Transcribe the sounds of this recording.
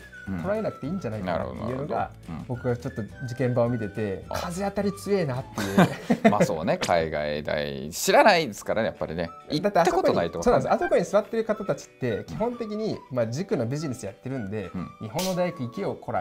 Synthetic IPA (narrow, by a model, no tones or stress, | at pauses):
t̪ʰo̞ɾae̞nakɯ̟̥t̪e̞ĩːɲ̟d͡ʑanaina̰ɾ̰ao̰t̪ːḛjɯ̟ːnoɡa̰ | bo̞kɯɡat͡ɕo̞t̪ːo̞d͡ʑikẽ̞mbaomʲit̪e̞t̪e̞kʰazɨat̪aɾʲit͡sɨe̞ːnat̪ːejɯːmasoːnekʰaiɡa̰id̪a̰iɕiɾanaid̪esɨ̥kaɾaja̰pːaɾʲḭneid̪at̪ːeaakokokoɲinait̪oonñesasoko̞ɲ̟isɨβat̪ːeɾɯ̟kat̪at̪at͡ɕi̥t̪ːe̞kʲiɦõ̞nt̪e̞kʲiɲ̟imad͡ʑikɯ̟no̞bʲiʑine̞sɨjat̪ːe̞ɾɯ̟̃nd̪e̞ɲiɦõ̞nːo̞d̪ajakɯ̟ikʲio̞kʰo̞ɾa̰